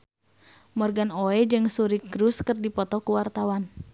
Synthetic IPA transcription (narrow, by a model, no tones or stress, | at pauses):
mɔrɡanoɛd͡ʒɨŋsuɾikɾuskɨrdipɔt̪ɔkuwart̪awan